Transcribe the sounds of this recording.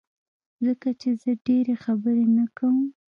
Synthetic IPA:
zəkat͡ʃezəɖeɾexabəɾenakawəm

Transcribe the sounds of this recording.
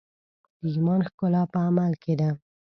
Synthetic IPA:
d̪̥əʒmɑnxkʊlɑpəamalked̪a

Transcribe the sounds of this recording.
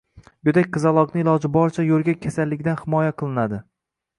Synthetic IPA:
bʊd̪akʲqɨzalˠɒqnɪɪlˠɒd͡ʒɪbɒɾt͡ʃʰajolˠɡʲakʲʰasalːɪɡʲd̪anhɪmɒjaqʰɨlˠɪnad̪ɪ

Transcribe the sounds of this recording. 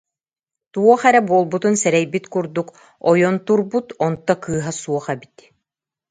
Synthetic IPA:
t̪uɔχɛɾɛbuɔlˠbut̪unsɛɾɛjbit̪kuɾd̪uk | ɔjɔnt̪uɾbut̪ɔnt̪ːɔkɯːɦasuɔχɛbit̪

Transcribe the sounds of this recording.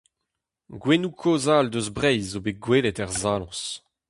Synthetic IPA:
ɡwenukʰoːzald̪øzbʁɛjzobeɡweːletɛʁzaːlɔ̰̃s

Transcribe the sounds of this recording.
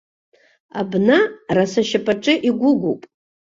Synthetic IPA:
a̰bnarasaʃapʰʼaʈ͡ʂʼɨʔiɡʷʊɡʷupʼ

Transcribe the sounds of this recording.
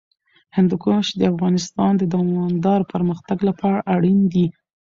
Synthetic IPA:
hɪnd̪ʊkoʃd̪əafɣɑnɪst̪ɑnd̪əd̪ɑmɑnd̪ɑɾpəɾməxt̪aɡlapɑɽaʔaɽind̪i

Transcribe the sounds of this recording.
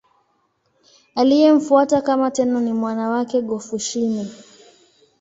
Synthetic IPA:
alijɛm̩fuatakamatɛnɔnimwanawakɛɠɔfuʃini

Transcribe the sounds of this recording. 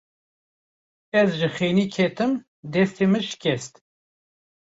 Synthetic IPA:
ɛzʒɨxeːniːkʰɛt̪ɨm | d̪ɛst̪emɨʃɪ̥kʰʲɛst̪

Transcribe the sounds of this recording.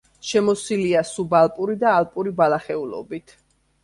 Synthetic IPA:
ʃɛmɔsiliasubalˠpʼuɾid̪aːlˠpʼuɾibalaχɛulˠɔ̰bit̪ʰ

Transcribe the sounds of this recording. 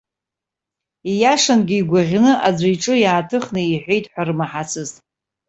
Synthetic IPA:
ijaʂanɡʲɪːɡʷaʁʲnɨʔad͡zʷajʈ͡ʂʼɨjaːtʰɨχnɨiħʷe̞jtʼħᶣʷarmaħat͡sʰɨzʼ

